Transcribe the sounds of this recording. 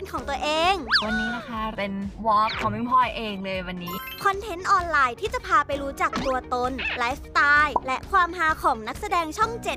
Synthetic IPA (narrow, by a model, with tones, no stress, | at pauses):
nkʰɔː˩˦ŋt̪u˧ɐʔeː˧ŋwa˧nːiː˦˥na˦˥kʰa˦˥ɾe˧nwɔː˦˥p̚kʰɔː˩˦mi˦˥˩pʰɔ˥˩jʔeː˧ŋlɤː˧jwa˧nːiː˦˥ | kʰɔ˧nt̪ʰe˦˥nʔɔː˧nlaː˧jt̪ʰiː˥˩t͡ɕa˨˩pʰaː˧pa˧jɾuː˦˥t͡ɕaː˨˩k̚t̪u˧ɐt̪o˧nlaː˦˥ft̪aː˧˥jlɛ˦˥ʔkʰwaː˧mɦaː˧˥kʰɔː˩˦ŋna˦˥k̚sa˧dɛː˧ŋt͡ɕʰɔ˥˩ŋt͡ɕe˨˩t̚